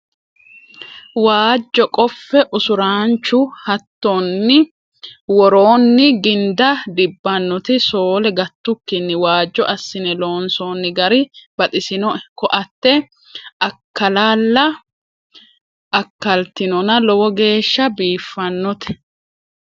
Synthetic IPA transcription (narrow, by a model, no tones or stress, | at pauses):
waːd͡ʒːɔkʼɔfːɛʔʊsʊɾaːnt͡ʃːʊhɐt̪ːonːɪ | wɔɾoːnːɪɡɪnd̪ɐd̪ɪbːɐnːɔt̪ɪso̞ːlɛɡɐt̪ːʊkːɪnːɪwaːd͡ʒːɔʔɐsːɪnɛlo̞ːnsoːnːɪɡɐɾɪb̥ɐt̪ʼɪsɪnɔkɔʔɐt̪ːɛ | ʔɐkːɐlaːlːɐ | ʔɐkːɐlt̪ɪnɔnɐlɔwɔɡe̞ːʃːɐbiːfːɐnːɔt̪ɛ̥